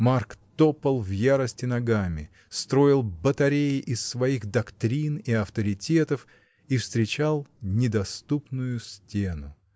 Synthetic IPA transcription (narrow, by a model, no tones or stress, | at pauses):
markt̪opəlˠvjaɾəsʲtʲɪnɐɡamʲɪ̰ | st̪ɾo̞ɪlˠbət̪ɐɾʲejɪʔɪsːvɐiɣd̪ɐkt̪ɾʲiniɐft̪əɾʲɪtʲe̞t̪əf | ifst̪ɾʲɪt͡ɕalˠnʲɪd̪ɐst̪upnʊjʊsʲtʲenʊ